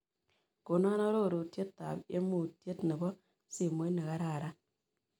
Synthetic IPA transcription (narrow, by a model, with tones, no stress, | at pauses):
ko˨na˦nɔ˦ɾo˦˨ɾu˨tje˦tːa̰˨be˦mu˦˨tje˦tne˨bɔ˦ | si˨mo˦ne˨ka˦ɾa˦˨ɾa˦